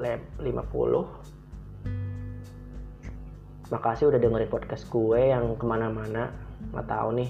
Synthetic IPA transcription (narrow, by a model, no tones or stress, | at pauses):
leplimʔa̰pṵlʊh | makasɪudahdəŋəripɔd̚kɛstɡuɛjaŋkəmanamanama̰t̪a̰ʊnɪh